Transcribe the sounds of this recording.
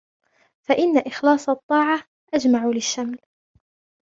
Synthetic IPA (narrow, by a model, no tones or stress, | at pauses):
faʔɪnːaʔɪxlɑːsˤɑt̪ˤːɑːʕɑ | ʔad͡ʒmaʕulɪʃːaml